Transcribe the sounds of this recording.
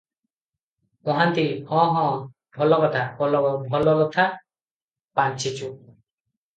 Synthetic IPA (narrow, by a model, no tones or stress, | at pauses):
ɔɦant̪iɔ̃ɦɔ̃ | bʱɔlɔkɔʈʰahɔlɔbʱɔlɔlɔt̪ʰa | pant͡ʃʰit͡ʃu